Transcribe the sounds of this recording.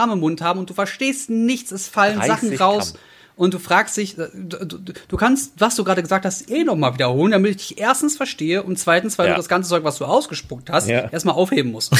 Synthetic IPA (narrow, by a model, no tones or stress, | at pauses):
aməɪmːʊnthaːbm̩ʊnt̚d̥uːfɛɐʃteːstnɪçt͡sɛsfalənzaχn̩ʁaʊs | ʔʊnt̚d̥uːfʁ̥aːkstd̥ɪçdud̥uːkʰanstvasd̥uːɡʁaːdɾəɡəzaːk̚thastʔeːnɔχmaːlviːdɐhoːləndamɪtɪçd̥ɪçʔeːɐstn̩sfɛɐʃteːəʔʊntt͡sv̥aɪtn̩sv̥aɪlduːdasɡ̥ant͡sət͡sɔʏkvasd̥uːʔaʊsɡ̥əʃpʊk̚thastʔeːɐstmaːlʔaʊfheːbm̩mʊst